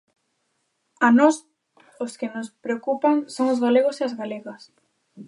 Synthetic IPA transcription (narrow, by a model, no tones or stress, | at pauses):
anɔs | ʊskɪnʊspɾeokupaŋsoŋozɣaleɣ̞oseazɣaleɣɐs